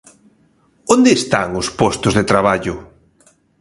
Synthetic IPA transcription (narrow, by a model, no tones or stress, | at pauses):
ond̪eːst̪aŋʊspɔst̪ʊzðet̪ɾaβ̞aʎʊ